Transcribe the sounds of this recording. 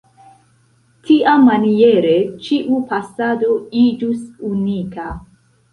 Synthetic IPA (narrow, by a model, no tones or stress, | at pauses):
tʰiʔamːanijeɾet͡ʃiʔupasadoid͡ʒusunika